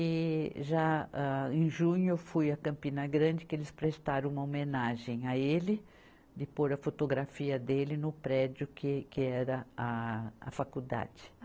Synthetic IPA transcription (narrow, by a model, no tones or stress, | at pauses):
ɪʒaaẽj̃ʒũɲʊfujɐkɐ̃mpĩnɐɡɾɐ̃d͡ʒɪkɪelɪspɾest̪aɾɐ̃ũmɐomẽnaʒẽj̃aelɪ | d̪ɪpoɾɐfot̪oɡɾafiɐd̪elɪnʊpɾɛd͡ʒjʊkɪkɪɛɾɐaɐ̰fakud̪a̰d͡ʒɪ̥